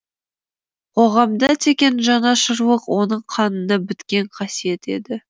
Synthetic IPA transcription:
qʰo̞ʁɑmd̪ɑt̪ʰe̞kʲe̞nʒɑnɑʃəɾwəqwo̞nəɴqʰɑnənəbɪt̪kʲe̞ɴqʰɑsije̞t̪e̞d̪ɪ

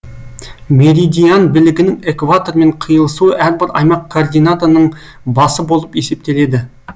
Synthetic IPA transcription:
me̞ɾʲid̪ijanbɪlɪɡʲɪnɪŋekvat̪o̞ɾme̞ɴqʰijəlˠəsuəʔæɾbɪɾɑ̰jmɑq̚kʰːoːrd̪ijnat̪oɾnəɴ | bɑsəbo̞lˠəpe̞se̞p̚t̪e̞le̞d̪ɪ

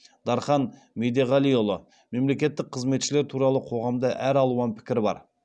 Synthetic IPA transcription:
d̪ɑɾχɑn | mejd̪e̞ʁɑlijolˠə | me̞mle̞kʲe̞t̪ːɪk̚qʰəzme̞t̪ʃɪle̞ɾt̪ʰuɾɑlˠəqʰo̞ʁɑmd̪ɑʔæɾɑlˠuɑnpʰɪ̥kʲɪɾbɑ̰ɾ

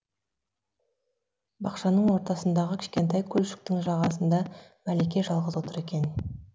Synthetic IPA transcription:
bɑqʃɑnəɴwo̞ɾt̪ɑsənd̪ɑʁəkʲʰɪ̥ʃkʲe̞nt̪ɑjkʲʰɵlʃɪ̥k̚t̪ɪŋʒɑʁɑsənd̪ɑ | mælekʲe̞ʒɑlˠʁəzwo̞t̪əɾe̞kʲe̞n

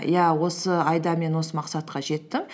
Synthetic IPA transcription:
jæwo̞səɑjd̪ɑme̞nwo̞səmɑqsɑt̪qɑʒe̞t̪ːɪŋ

